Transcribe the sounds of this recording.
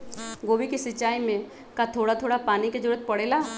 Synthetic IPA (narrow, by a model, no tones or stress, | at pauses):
ɡoːbikisɪt͡ʃːaːimẽ | kat̪ʰoːɽat̪ʰoːɽapaːniked͡ʒʊɾət̪̚pɐɽeːlaː